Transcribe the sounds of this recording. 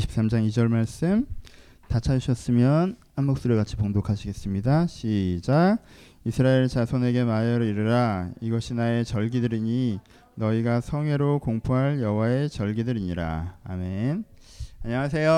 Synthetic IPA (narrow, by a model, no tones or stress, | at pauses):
ɕʰi̥p̚s͈amd͡ʑaŋid͡ʑʌɭmaɭs͈ɯm | tat͡ɕʰad͡ʑuɕʰʌs͈ɯmjʌnhanmok̚s͈uɾɯɭɡat͡ɕʰi̥poŋdokʰaɕʰiɡe̞s͈ɯmɲidaɕʰid͡ʑa | isʰɯɾaeɭt͡ɕasʰʌne̞ɡe̞majʌɾɯiɾɯɾaiɡʌɕʰinae̞t͡ɕʌɭɡidɯɾiɲi | nʌiɡasʰʌŋwe̞ɾokoŋpʰoɦaɭjʌwae̞t͡ɕʌɭɡidɯɾiɲiɾa̰ːmenaɲaŋasʰe̞jo